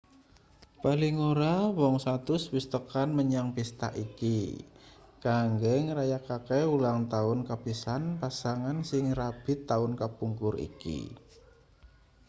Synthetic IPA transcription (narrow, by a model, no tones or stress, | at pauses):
palɪŋoɾawɔŋsat̪ʊswist̪əkanməɲaŋpist̪a̰ʔiki | kaŋɡɛŋɾajakakeulaŋt̪aʊnkabisanpasaŋansɪŋrab̥ɪ̤t̪ːaʊnkapuŋkʊrḭkḭ